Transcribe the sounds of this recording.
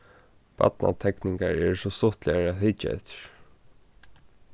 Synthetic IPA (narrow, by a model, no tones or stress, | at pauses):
pa̰t̪̚na̰t̪ʰɛkniŋkaɹɛɹsɔst̪ɔht̪lɪaɹæðhɪt͡ʃaɛ̰ht̪ɪ̥ɹ̥